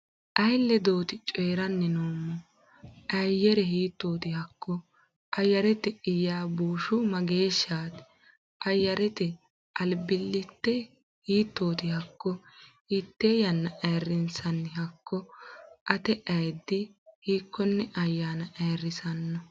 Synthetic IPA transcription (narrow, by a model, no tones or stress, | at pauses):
ʔɐjlːɛd̪o̞ːt̪ɪt͡ʃʼɔːɾɐnːɛnoːmːɔ | ʔɐjjːɛɾɛɦiːt̪ːoːt̪ɪhɐkːɔ | ʔɐjːɐɾɛt̪ɛɪjaːbuːʃʊmɐɡeːʃːaːt̪ | ʔɐjːɐɾɛt̪ɛ | ʔɐlbɪlːɪt̪ːɛ | hiːt̪ːoːt̪ɪhɐkːɔhiːt̪ːeːjɐnːɐʔɐjrɪnsɐnːɦɐkːɔʔɐt̪ɛʔɐjd̪ːɪhiːkːɔnːɛʔɐjːaːnɐʔɐjrːɪsɐnːɔ